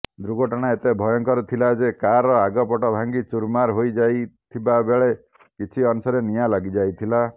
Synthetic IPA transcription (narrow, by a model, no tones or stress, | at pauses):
d̪ɾuɡɔʈɔɽ̃aet̪ebʱɔjɔŋkɔɾut̪ʰilad͡ʒekaɾɔaɡɔpɔʈɔbʱaŋɡit͡ʃuɾmaɾɦojd͡ʒajt̪ʰibabeɭe | kit͡ʃʰiɔnusɔɾenijalaɡid͡ʒajt̪ʰila